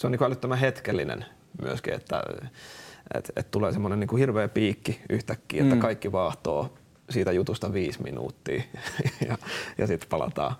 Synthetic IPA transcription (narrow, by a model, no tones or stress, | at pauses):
seoniːkuælyt̪ːømæhet̪kelːinḛn | my̰øskḭḛt̪ːæ̰ | ḛt̪ḛt̪t̪uleːsemːonenniːkuhirʋeːpiːkːiʔyht̪ækːḭːet̪ːækɑikːiʋɑːht̪o̰ː | siːt̪æjut̪ust̪ɑʋiːsmḭnṵːt̪ːḭːjɑjɑsit̪pɑlɑ̰t̪ɑ̰ː